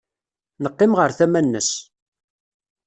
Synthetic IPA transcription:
nəqːɪmʁəɾθæmænːə̰s

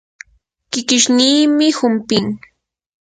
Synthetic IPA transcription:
kɪkɪʃniːmɪhʊmpɪŋ

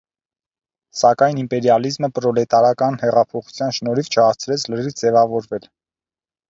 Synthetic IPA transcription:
sɑkɑjnimpɛɾjɑlizməpɾɔlɛt̪ɑɾɑkɑnhɛʁɑpʰɔχu̥t͡sʰjɑnʃnɔɾivt͡ʃʰəɑɾt͡sʰɾɛt͡sʰlərid͡zɛvɑvɔɾvɛl

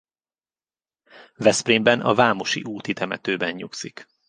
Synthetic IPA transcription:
vɛspriːmbɛnɒ̰vaːmo̞ʃḭʔuːt̪it̪ʰɛmɛ̰t̪øːbɛɲɲuksik

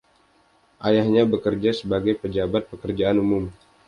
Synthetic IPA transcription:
ʔajahɲabəkərd͡ʒasəbaɡajpəd͡ʒabat̪̚pəkərd͡ʒaanumʊm

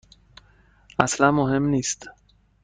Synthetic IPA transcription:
aslamoɦemniːst̪

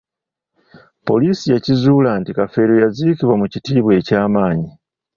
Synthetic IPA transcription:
po̞̰liːsijacizuːlantikafe̞ːɾo̞jaziːkiβwamucitiːβwe̞ːcaːmaːɲi

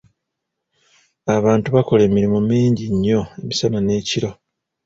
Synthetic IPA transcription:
aβaːntuβako̞le̞ːmiɾimumiːɲɟiɲːo̞e̞misanane̞ːciɾo̞

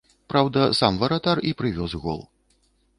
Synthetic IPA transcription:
pɾawd̪ɐsamvɐɾat̪aripɾɨvʲɔzɣɔ̰lˠ

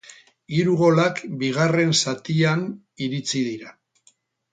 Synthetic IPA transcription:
iɾuɣo̞lakbiɣ̞are̞nsat̪ian | iɾit͡sið̞iɾa

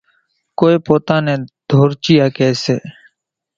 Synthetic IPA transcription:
koːeːpoːt̪ãːnẽːd̪̥ʱoːɾt͡ʃiːjaːkɛːseː

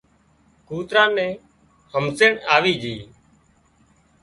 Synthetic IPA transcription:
kuːt̪ɾãːnɛ̃ː | həmseɳaːʋiːd͡ʒiː

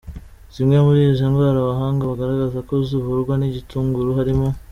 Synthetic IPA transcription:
zimŋemuɾiiʒaŋɡwaːɾaβaɦaːŋɡaβaɡaɾaɡazako̞ziβuɾɡwaniɟituːŋɡuɾuɦaɾimo

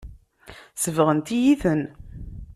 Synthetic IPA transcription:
səvʁənt̪ijiθən

